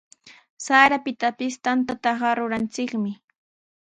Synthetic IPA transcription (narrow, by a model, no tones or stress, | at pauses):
saɾapɪt̪apɪst̪ant̪at̪ɑɢɑɾʊɾant͡sɪkmɪ